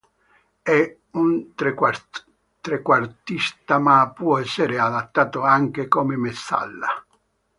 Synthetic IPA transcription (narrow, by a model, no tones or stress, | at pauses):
ɛ | unt̪ɾe | t̪ɾekwart̪ist̪amapːwɔɛsːeɾead̪at̪ːaːt̪oaŋk̟ekomemesːa̰lːa̰